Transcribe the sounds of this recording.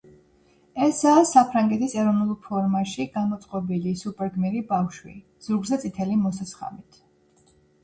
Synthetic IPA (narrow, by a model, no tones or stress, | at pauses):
ɛsaːsapʰɾaŋɡɛt̪ʰisɛɾɔvnulˠpʰɔɾmaʃiɡamɔt̪sʼqʼɔbilisupʼɛɾɡmiɾibafʃwḭ | z̥uɾɡzɛt̪sʼit̪ʰɛlimɔsasχa̰mit̪ʰ